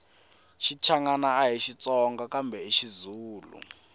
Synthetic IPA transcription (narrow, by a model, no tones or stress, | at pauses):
ʃit͡ʃʰaŋanaːɦiʃit͡sʼɔŋɡakambʱɛiʃizuːlṵ